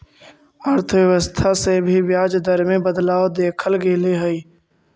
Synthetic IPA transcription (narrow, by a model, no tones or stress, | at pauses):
əɾt̪ʰəʋjəʋəst̪ʰasebʱibjaːd͡ʒd̪əɾmẽbəd̪laːod̪eːkʰəlɡeːleɦəiː